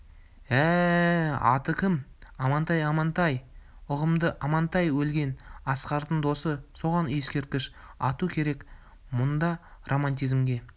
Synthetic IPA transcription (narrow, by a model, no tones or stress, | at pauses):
æ | ɑ̰t̪əkʲʰɪmɑmɑnt̪ɑjɑmɑnt̪ɑj | ʊʁəmd̪əʔɑmɑnt̪ɑjwɵlɡʲe̞nɑsqɑɾt̪ənd̪o̞səso̞ʁɑnje̞skʲe̞ɾt̪̚kʲɪʃ | ɑt̪ukʲʰe̞ɾe̞k | mʊnd̪ɑrʔo̞mɑnt̪̬ʲizmɡʲe̞